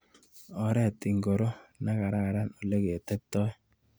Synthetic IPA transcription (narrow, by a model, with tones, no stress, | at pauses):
ɔ˨ɾɛ˦˨tɪ˨ŋɡo˨ɾo˦na˦ka˨ɾa˦˨ɾa˦no˨le˦ke˨e˨tɛ˦k̚tɔ˦j